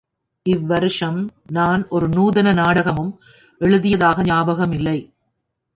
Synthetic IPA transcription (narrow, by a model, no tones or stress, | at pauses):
ʔɪʋːɐɾɯʂɐmnaːnʔɔɾɯnuːðɐnɐnaːɽɐɣɐmɯm | ʔɛɻɯðɪjɐðaːɣɐɲaːbɐɣɐmɪlːɐɪ